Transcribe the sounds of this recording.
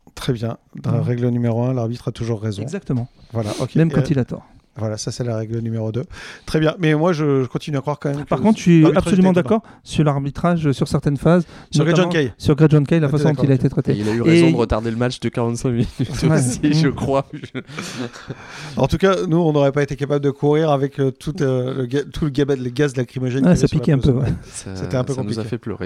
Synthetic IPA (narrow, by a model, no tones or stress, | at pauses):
t̪χɛbjɛ̃dʁɛɡlənymeʁoɛ̃laʁbit̪χat̪uʒuʁːezɔ̃ɡzak̚t̪əmɑ̃vwala̰ʔokʲemmɛmkɑ̃t̪ilat̪ɔ̰ʁ | vwalasasɛlaʁɛɡlənymeʁod̪øt̪χɛbjɛ̃mɛmwaʒəʒəkɔ̃t̪inyakχwaʁkɑ̃mɛmkpaʁkkɔ̃t̪χʃɛapssɔlymɑ̃d̪akkɔʁsyʁlaʁbit̪χaʒsyʁsɛʁt̪ɛnfazsnɔɡ̪̃kɛjsyʁɡʁad̪ʒɔ̃nkʲajlafasɔ̃ddɔ̃t̪ilaet̪et̪χɛt̪eilayʁezɔ̃d̪əʁət̪aʁd̪eləmat͡ʃd̪əkaʁɑ̃t̪sɛ̃minyt̪wɛsiʒəkχwaʒ | ɑ̰̃t̪ukanuɔ̃noʁɛpaet̪ekapabləd̪əkʰuʁiʁavɛkt̪ʰut̪øləɡat̪ʰuləɡabad̪ələɡazd̪əlakχimɔʒɛnwɛsapikkɛɛ̃pøvwɛsaseɛɛ̃pøkɔ̃niuzafɛplø̰ʁḛ